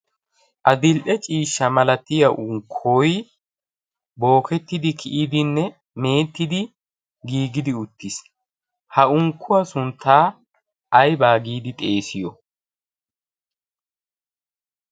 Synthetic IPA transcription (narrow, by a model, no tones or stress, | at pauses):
ʔɐd̪ɪlʔɛt͡ʃʼiːʃːɐmɐlɐt̪ɪjɐʔʊŋkʰoːj | bo̞ːkɛt̪ːɪd̪ɪkʰɪʔiːd̪ɪnːɛ | me̞ːt̪ːɪd̪ɪ | ɡiːɡɪd̪ɪʊt̪ːɪs | hɐʊŋkːʊwɐsʊnt̪ʰːaː | ʔɐjbaːɡiːd̪ɪt̪ʼe̞ːsɪjɔ